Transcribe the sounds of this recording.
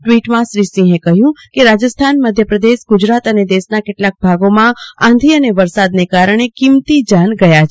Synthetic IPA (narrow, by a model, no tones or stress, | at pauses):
ʈʋiʈmãʃɾisĩɦekəɦjũkeɾad͡ʒəst̪ʰanməd̪ʱjəpɾəd̪eʃɡʊd͡ʒɾat̪əned̪eʃnakeʈlak̚bʱaɡomããnd̪ʱiəneʋəɾsad̪nekaɾəɳ̃ekimt̪id͡ʒanɡəjat͡ʃʰ